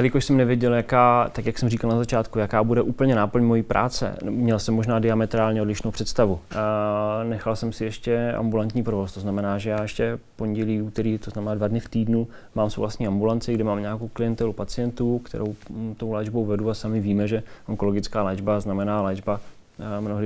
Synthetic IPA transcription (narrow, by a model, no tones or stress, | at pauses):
dalɪkoʃsɛmnɛvjɛɟɛljakaːt̪akjaksɛmriːkalnazat͡ʃaːt̪kujakaːbudɛʔuːpl̩ɲɛnaːpl̩ɲmo̞jiːpɾʔa̰ːt͡sɛ̰mɲɛlsɛmːo̞ʒnaːdɪamɛt̪ɾaːlɲɛodlɪʃnowpr̥ɛt̪st̪avu | nɛxalsɛmsɪjɛʃcɛa̰mbulant̪ɲiːpɾovo̞st̪oznamɛnaːʒɛjaːjɛʃcɛfpo̞ɲɟɛliːuːt̪ɛɾiːt̪oznamɛnaːdvadnɪft̪iːdnu | maːmso̰wvlast̪ɲiːambulant͡sɪɡdɪmaːmɲaːkowklɪjɛnt̪ɛlupat͡sɪjɛnt̪uːkt̪ɛ̰ɾʔowt̪owlɛːd͡ʒbowvɛduasamɪviːmɛʒɛʔoŋko̞loɡɪt͡skaːlɛːd͡ʒbaznamɛnaːlɛːd͡ʒba | mnoɦdɪ